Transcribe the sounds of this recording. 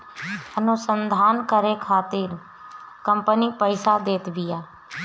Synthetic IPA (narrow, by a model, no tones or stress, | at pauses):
ənʊsənd̪ʱaːnkəɾeːkʰaːt̪ɪɾ | kəmpəniːpəɪsaːd̪eːt̪ʋɪjaː